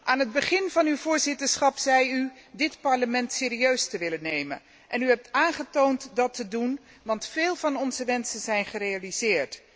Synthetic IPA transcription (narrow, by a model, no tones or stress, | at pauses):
ʔaːnɦəd̚bəχɪnvɑnywvʊːɹzɪtəɹsχɑpz̥ɛjydɪtpɑɹləmɛntsɪːɾiøɥstəʋɪlənejmə̰n | ʔɛnyɦɛp̚taːnχətowntdɑtədun | ʋɑntfɪːlˠvɑnɔnzəʋɛnsənzɛjnχərejaliz̥ɪːɹt